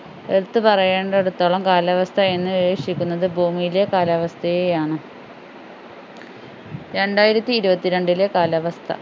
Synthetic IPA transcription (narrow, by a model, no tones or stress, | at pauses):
eɽut̪ːɨpɐrɐjeːɳɖeeɽut̪ːoːɭɐmkaːlɐʋɐst̪ʰɐe̞nːɨiʋeːkʂikʲːunːɐðɨbʱuːmijile̞kaːlɐʋɐst̪ʰɐjejaːɳɨ | ɾe̞ɳɖaːjiɾɐt̪ːiːɾubɐt̪ːiɾe̞ɳɖile̞kaːlɐʋɐst̪ʰɐ̰